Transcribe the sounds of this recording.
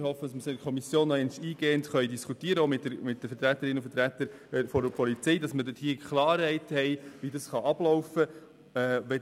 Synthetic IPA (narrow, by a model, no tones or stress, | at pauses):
ɾhɔfːədɑsməsɪkʰɔmisjoːnːɔɛnʃiːɡ̥eːəntχœʏdiskutiːəɾəomɪtdəɾmɪt̚d̥əfəɾtɾæt̪ːəɾɪnːʊfəɾt̪ɾæt̪əɾ | fɔdəpʰɔlit͡sɛɪdɑsmədɪthiːəkʰχlɑːɾhɛɪthɛɪʋidɑsχɑʔɑb̥lɔwfəː | ʋɛ